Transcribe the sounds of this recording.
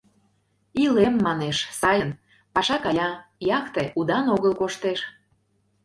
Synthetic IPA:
ilemːɑneʃsɑjən | pɑʃɑkɑjɑjɑkt̪eʔud̪ɑnoɣəlkoʃt̪eʃ

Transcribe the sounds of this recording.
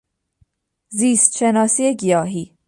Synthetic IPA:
ziːst̪ʃe̞nɒːsiːe̞ɟijɒːɦiː

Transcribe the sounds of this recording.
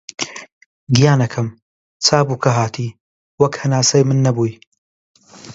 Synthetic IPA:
ɡijaːnɐkʰɐm | t͡sʰaːbuːkʰɐɦaːt̪ʰiː | wɐkhɐnaːsɐjmɨnːɐbuːj

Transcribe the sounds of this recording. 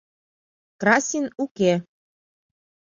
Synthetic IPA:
krɑsʲinuke

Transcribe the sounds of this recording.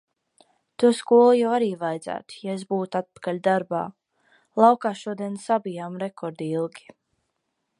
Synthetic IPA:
t̪uɔskuɔlˠujawaɾiːvajd̪zæ̰ːt̪u̥jaes̬buːt̪at̪̚pḁkalʲd̪aɾba̰ː | lˠɑwkaːʃuɔd̪iɛnsabijaːmɾɛkʰɔɾd̪iilˠɡʲi̥

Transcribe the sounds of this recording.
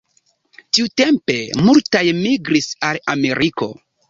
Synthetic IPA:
tiute̞mpe̞multajmiɡɾisalame̞ɾʔiko̞̰

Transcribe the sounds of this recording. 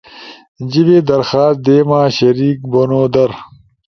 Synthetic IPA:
d͡ʑibeːd̪ɐɾxaːs̚d̪eːmaːɕɐɾiːk̚bonoːd̪ɐɾ

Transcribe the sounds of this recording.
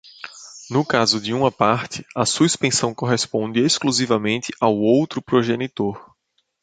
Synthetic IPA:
nʊkazʊd͡ʒɪũmɐpaɾt̪ɪɐsuspẽsɐ̃w̃koɦespõnd̪ɪeskluzivɐmẽnt̪ɪʔawowt̪ɾʊpɾoʒenit̪oɾ

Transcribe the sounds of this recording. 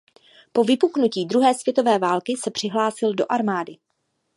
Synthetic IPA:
po̞vɪpuknuciːd̪ɾuɦɛːsvjɛt̪o̞vɛːvaːlkɪsɛpr̝̥ɪɦlaːsɪldo̞̰ʔaɾmaːdɪ

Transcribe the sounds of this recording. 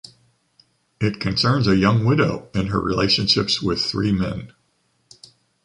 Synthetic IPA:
ɪt̚kʰɨ̃nsɜ̃˞nzɨjʌ̃ŋwɪɾoʊɨ̃nə̰˞ɹḭlḛɪʃɨ̃nʃɪpswɪð̥θɹimɛ̰̃n

